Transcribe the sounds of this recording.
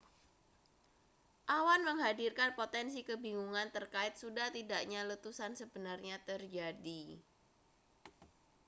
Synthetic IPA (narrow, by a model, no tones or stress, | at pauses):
ʔawanməŋɦadirkanpot̪ɛnsikəbiŋuŋant̪ərkaɪt̪̚sudaht̪idaʔɲalət̪usansəbənarɲat̪ərd͡ʒadi